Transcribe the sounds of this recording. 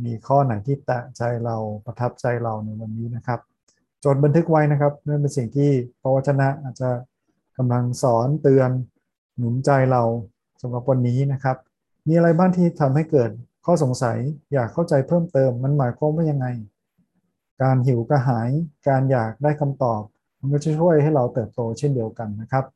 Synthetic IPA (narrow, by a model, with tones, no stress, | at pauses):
miː˧kʰɔː˥˩na˨˩˦jt̪ʰiː˥˩t̪a˨˩ʔt͡ɕa˧jɾa˧wpɾa˧t̪ʰa˦˥p̚t͡ɕa˧jɾa˧wna˧jwa˧nːiː˦˥na˦˥kʰa˦˥p̚ | t͡ɕo˨˩t̪̚a˧nt̪ʰɯ˦˥k̚wa˦˥jna˦˥kʰa˦˥p̚na˥˩np̬e˧nsi˨˩ŋt̪ʰiː˥˩pʰa˧wa˦˥t̪̚t͡ɕʰa˧na˦˥ʔaː˨˩t̪̚t͡ɕa˨˩ | ka˧mla˧ŋsɔː˩˦nt̪ɯ˧ənː | u˨˩˦mt͡ɕa˧jɾa˧w | sa˨˦mɾa˨˩p̚wa˧nːiː˦˥na˦˥kʰa˦˥p̚ | miː˧ʔa˧ɾa˧jbaː˥˩nt̪ʰiː˥˩t̪ʰa˧mha˥˩jkɤː˨˩t̪̚kʰɔː˥˩so˩˦ŋsa˩˦jjaː˨˩kʰːa˥˩wt͡ɕa˧jpʰɤː˥˩mt̪ɤː˧mːa˧nmaː˩˦jkʰwa˧mwa˥˩ja˧ŋːa˧j | kaː˧nɦi˩˦wka˧ɦaː˩˦jkaː˧njaː˨˩k̚daː˥˩jkʰa˧mt̪ɔː˨˩p̚ | ma˧nkɔː˥˩t͡ɕʰt͡ɕʰu˥˩əjha˥˩jɾa˧wt̪ɤː˨˩p̚t̪oː˧t͡ɕʰe˥˩ndi˧əwka˧nːa˦˥kʰa˦˥p̚